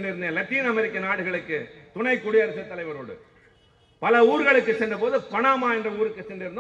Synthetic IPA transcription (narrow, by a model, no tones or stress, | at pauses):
nɖɪɾɯnd̪eːlɐt̪ːiːnɐmɛɾɪkːɐnaːɽɯɣɐɭɯkːɯt̪ʊɳɐɪkːʊɽɪjɐɾɐsɐt̪ːɐlɐɪʋɐɾoːɽɯ̰ | pɐlɐuːɾɣɐɭɯkːɯsɛnɖɯpoːðɯpɐɳaːmaːɛndrɐuːɾɯkːɯsɛnɖɪɾɯnd̪